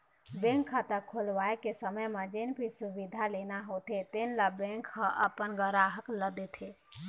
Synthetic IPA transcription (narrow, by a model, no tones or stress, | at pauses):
bẽŋkʰːat̪əkʰːolʋaekesəməjmed͡ʒenpʰisubid̪ʱalenaɦot̪ʰet̪enlabẽŋkhə̃ʔə̰pənɡəɾaɦəkləd̪et̪ʰe